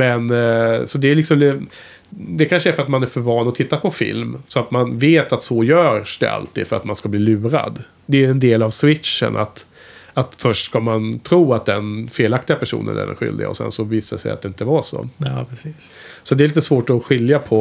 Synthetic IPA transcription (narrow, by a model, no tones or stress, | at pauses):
mɛnsɔd̪ɛlɪksɔml | d̪ɛkʰanʂəæɾfœɾat̪manæɾfœɾvɑːnɔt̪ʰɪt̪ːapʰɔfɪ̰lmsɔat̪manveːt̪at̪sɔjœːʂd̪ɛ̰ʔa̰lt̪iːd̪fœɾat̪manskabliːlʉ̟ːɾa̰d̪ | d̪ɛɛnd̪eːlavswɪt̪ʂə̰nʔa̰t̪ | at̪fœʂʈskamant̪ʰɾuːat̪̚d̪ɛnfeːlak̚t̪ɪɡapʰæʂṵːnə̰næ̰ɖɛ̰nɧʏ̰ld̪ɪ̰ɡa̰ɔ̰sɛ̰nsɔviːsad̪sɛ̰ja̰t̪d̪ɛɪnt̪əvaʂɔ̰pʰɾɛsiːs | sɔd̪ɛɾliːt̪̬əsvoːʈɔɧɪljapʰɔ